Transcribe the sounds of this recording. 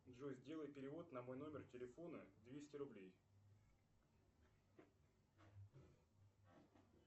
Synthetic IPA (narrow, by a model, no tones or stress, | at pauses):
d̪ʐozʲdʲe̞lˠəjpʲɪɾʲɪvo̞t̪nɐmo̞jno̞mʲɪrtʲɪlʲɪfo̞nəd̪vʲesʲtʲɪɾʊblʲej